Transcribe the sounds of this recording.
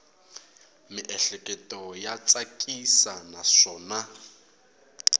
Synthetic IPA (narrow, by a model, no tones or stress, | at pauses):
mɪʔɛɬɛkʼɛtʼɔjat͡sʼakʼisanaʂɔːna